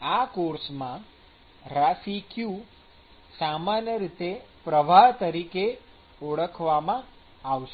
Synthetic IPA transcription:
akoɾsmã | ɾasikju | samanjəɾit̪epɾəʋaɦt̪əɾike | oɭəkʰʋamã | aʋʃe

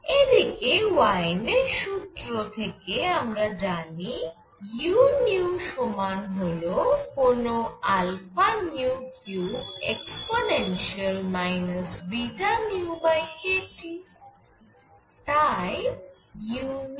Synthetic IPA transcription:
ed̪ʱikewajneʃut̪ɾot̪ʰekeamɾad͡ʑani | junjuʃomanɦolokonoalfanjukjuḛksponenʃiəlmajnosbiʈanjuubajkeʈi | t̪aej | jun

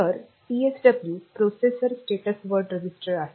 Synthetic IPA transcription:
əɾ | ʈieksɖɐbljuːpɾosesəɾsʈeʈəsʋəɾɖɾəd͡ʑisʈəɾaɦe

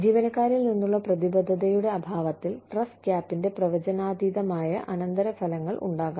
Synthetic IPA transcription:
d͡ʑiːʋɐnɐkːaːɾilninːuɭːɐprɐðibɐd̪ʱːɐd̪ɐjuɽe̞ɐbʱaːʋɐt̪ːilʈrɐskjaːpːinde̞prɐʋɐd͡ʑɐnaːd̪iːd̪ɐmaːjɐ̰ʔɐnɐnd̪ɐɾɐfɐlɐŋːɐɭʔṵɳɖaːɣɐ

